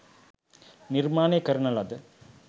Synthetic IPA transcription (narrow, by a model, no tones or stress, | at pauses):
niɾmaːnekɐɾɐnɐlɐd̪e